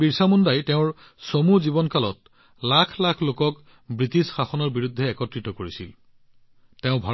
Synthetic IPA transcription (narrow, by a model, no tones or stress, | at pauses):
biɹsamundajteʊ̃ɹ | somuzibɔnkalɔt̚ | lakʰlakʰlokɔk | bɹitisxaxɔnɔɹbiɹudʱːɛːkɔtɹitɔkoɹisil | teʊ̃bʱa